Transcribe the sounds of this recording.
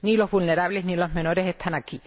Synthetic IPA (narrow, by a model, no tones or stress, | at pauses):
nilo̞zβulne̞ɾaβle̞ɦnilo̞ɦme̞no̞ɾe̞se̞st̪ʰanaki